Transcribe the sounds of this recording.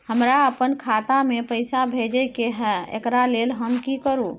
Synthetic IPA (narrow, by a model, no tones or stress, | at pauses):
həmɾaəpənkʰat̪amepəjsabʱed͡ʒəjkeɦɛḛkɾalelɦəmkikəɾu